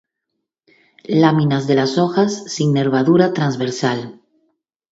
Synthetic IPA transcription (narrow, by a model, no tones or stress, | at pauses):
lamĩnazðelasoxasːiŋneɾβ̞aðuɾat̪ɾanzβeɾsal